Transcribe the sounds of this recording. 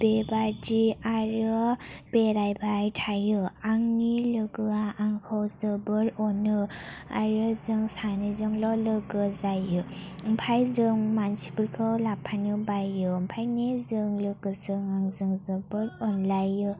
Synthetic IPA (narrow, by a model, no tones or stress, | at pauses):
b̥ebadiaɾɯb̥eɾajbʱajtʰajɯaŋnilɯɡɯaʔaŋkʰɯwzɯbɯɾɔnɯa̰ɾɯzɯŋsanizɯŋlɔlɯɡɯzajɯmpʰajzɯŋmansi̥puɾkʰɯwlapʰanɯbajɯmpʰajnizɯŋlɯɡɯzɯŋaŋzɯŋzɯbɯɾɔnlajɯ